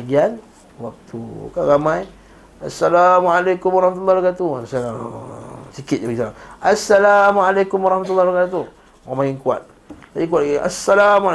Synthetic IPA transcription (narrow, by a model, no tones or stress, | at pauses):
ɡian | wak̚t̪ukaɾamãj | asːalamʕalakʊmwaɾˤɑhmat̪ulːahɾakat̪usala | sikɪt̪̚aɡisalamasːalamʕalakʊmwaɾˤɑhmat̪ulːahakat̪u | mamaŋiŋkua̰t̪̚ | lad͡ʒik̬uat̪ʔia̰sːalama